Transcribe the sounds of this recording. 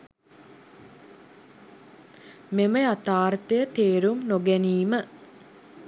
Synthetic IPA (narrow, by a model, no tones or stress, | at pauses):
meməjat̪aːrt̪əjət̪eːɾumnoɡɛniːmə